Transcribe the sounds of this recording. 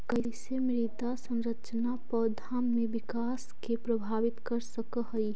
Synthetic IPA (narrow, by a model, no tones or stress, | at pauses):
kəɦisemɾit̪asə̃nɾət͡ʃnapɔːd̪ʱamːebɪkaːskepɾəbʱaːʋɪt̪kəɾsəkəɦəi